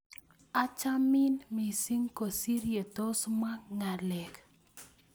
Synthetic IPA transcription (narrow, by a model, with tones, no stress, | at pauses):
a˦t͡ʃa˦mɪ˦nmi˨si˦ŋko˨si˦ɾje˨tɔ˦sma˦ŋa˨lɛ˨k